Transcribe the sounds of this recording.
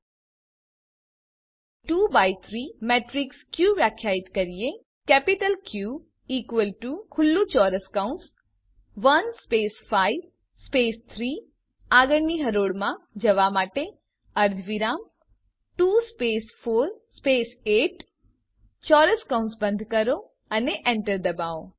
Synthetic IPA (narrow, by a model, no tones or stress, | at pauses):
ʈubait̪ʰɾimeːʈɾikskjuʋjakʰjaːɪt̪kəɾije | kɛːpiʈəlkju | iːkʋəlʈukʰʊlːut͡ʃɔːɾəskãns | ʋənspeːsfaiʋ | speːst̪ʰɾiː | aːɡəɽniɦəɾoːɽmãd͡ʒɐʋamaːʈe | əɾd̪ʱʋiɾaːm | ʈuːspeːsfʰoːɾspeːseːʈ | t͡ʃɔːɾəskaʊnsbə̃nd̪ʱkəɾo | əneʔẽɳʈəɾd̪ɐbaːo